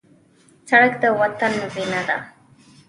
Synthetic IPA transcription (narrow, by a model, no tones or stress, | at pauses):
t͡saɽakt̪awat̪anmɪpɪnad̪a̰